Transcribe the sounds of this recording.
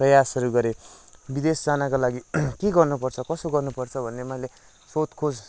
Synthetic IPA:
prʌjasʌɾuɡʌɾebid̪esd͡zanakalaɡikeɡʌrnupʌrt͡sʰʌkʌsoɡʌrnupʌrt͡sʰʌbʱʌnːemʌjle | sot̪kʰod͡z

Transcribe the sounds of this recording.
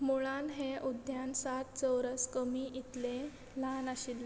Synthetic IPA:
muɭanɦeʔud̪jansat̪̚t͡səwɾəskəmiʔit̪le | lanaɕil

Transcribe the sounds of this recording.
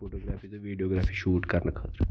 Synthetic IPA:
foʈoɡɾafiːt̪oʋiɖioɡɾafiːɕuːʈkaɾnəkʰət̪ɾə

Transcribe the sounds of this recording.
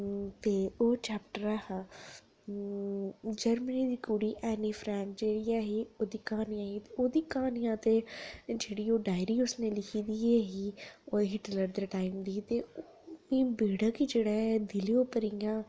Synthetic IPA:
t̪eːoːt͡ʃɛːpʈəɾaːhaː | d͡ʒəɾməniːd̪iːkuːɽiːʔɛːniːfʰɾɛ̃ːt͡ʃd͡ʒeːɽiːaːɦiːoːd̪iːkãːnijãːɦiːt̪eoːd̪iːkãːnɪjãːt̪eːd͡ʒeːɽiːoːɖaːɪɾiːʊsneːlɪkʰiːd̪iːeːɦiːoːeɦɪʈələɾd̪eːʈaːimd̪iːt̪eː | ĩːbeːɽaːkiːd͡ʒeːɽaːd̪ɪlioːpəɾijãː

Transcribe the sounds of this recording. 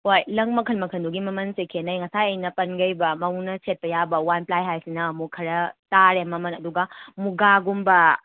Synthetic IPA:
ojlɐŋmɐkʰɐlmɐkʰɐnduɡimɐmɐnsekʰenɐjŋɐsajɐjnɐpɐnɡɐjbɐmɐwnɐset̚pɐjabɐwanplajɦajsinɐːmukʰɐɾɐtaɾemɐmɐnɐduɡɐmuɡaɡumbɐ

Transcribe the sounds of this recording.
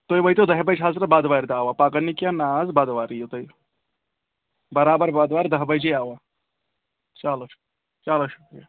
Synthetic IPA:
t̪oːjʋɐjt̪od̪ɐɦbɐd͡ʒɦaːzɾɐbaːd̪ʋaːɾd̪aːʋapaːkɐnːikjanaːzbaːd̪ʋaːɾijot̪oj | bɐɾaːbɐɾbaːd̪ʋaːɾd̪ɐɦbɐd͡ʒeaːʋaː | t͡ʃaːloʃu̥ | t͡ʃaːloʃukɾḭja

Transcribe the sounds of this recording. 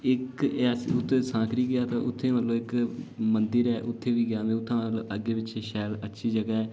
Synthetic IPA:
ɪkɛːsʊt̪ʰːeːsãːkɾiːɡɪaːt̪ãʔʊt̪ʰːeːməlõːɪkmənd̪əɾɛːʔʊt̪ʰːeːʋiːɡɪjaːʋẽːʊt̪ʰːãːməloːʔəɡeːʋɪt͡ʃʃɛːlətːʃʰiːd͡ʒəɡaːɛː

